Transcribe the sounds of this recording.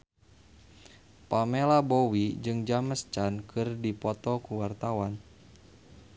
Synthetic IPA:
pamelabowid͡ʒɨŋd͡ʒaməst͡ʃankʰɨrdipɔt̪ɔkuwart̪awan

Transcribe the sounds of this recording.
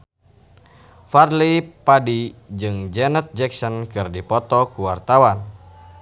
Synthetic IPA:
farlipadid͡ʒɨŋd͡ʒɛnət̪̚d͡ʒɛksɔnkɨrdipɔt̪ɔkuwart̪awan

